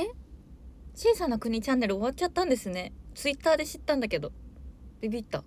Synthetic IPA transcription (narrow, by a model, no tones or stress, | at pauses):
e | t͡ɕiːsanakɯ̟ɲ̟it͡ɕãnːe̞ɾɯ̟o̞β̞at̚t͡ɕat̪ːãnd̪e̞sɨne̞t͡sɨit̪ːaːd̪e̞ɕi̥t̪ːãnd̪ake̞d̪o̞b̥ibʲit̪ːa